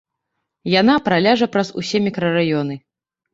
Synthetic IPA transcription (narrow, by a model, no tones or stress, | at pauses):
janapɾalʲaʐɐpɾɐzṵsʲɛmʲikɾɐrajɔnɨ